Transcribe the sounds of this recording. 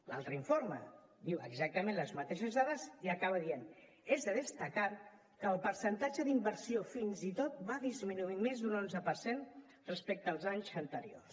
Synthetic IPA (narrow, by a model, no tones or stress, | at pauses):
la̰lˠt̪ɾəiɱfoɾmə̰ | d̪iwəɡzak̚t̪əmẽnləzmət̪eʃəzðaðəziəkaβəðien | ezðəðəst̪əka | kəːlˠpəɾsənt̪ad͡ʒəðimbəɾsiofinzit̪ot̪̚baðizminuimezd̪unonzəpəɾsen | rəspek̚t̪əːlˠzaɲzənt̪əɾio̰rs